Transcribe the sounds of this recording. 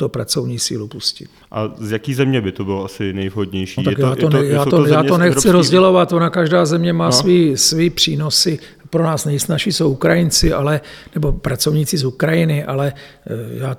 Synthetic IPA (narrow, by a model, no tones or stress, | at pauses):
t̪opɾa̰t͡so̞vɲiːsḭːlupuscɪ̰t̪ | ʔazjakiːzɛmɲɛbɪt̪obɪloasɪnɛjvɦod̪ɲɛjʃioakjaːt̪onɛjaːt̪ojaːt̪onɛxt͡sɪɾozɟɛlo̞vat̪onakaʒdaːzɛmɲɛmaːsviːsviːpr̝̥iːno̞sɪ | pɾo̞naːsnɛjsnaʃiːsowukɾajɪnt͡sɪʔalɛnɛbo̞pɾat͡sovɲiːt͡sɪzukɾajɪnɪʔa̰lɛ | jaː